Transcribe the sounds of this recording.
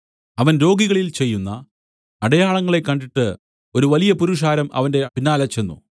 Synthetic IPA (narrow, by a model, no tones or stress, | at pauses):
ɐʋɐnɾo̞ːɡiɣɐɭilt͡ɕe̞jːunːɐ | ɐɽɐjaːɭɐŋːɐɭe̞kːɐɳɖiʈːɨ | o̞ɾuʋɐlijɐpuɾuʂ̬aːɾɐmɐ̰ʋɐnde̞pinːaːlɐt͡ɕːe̞nːṵ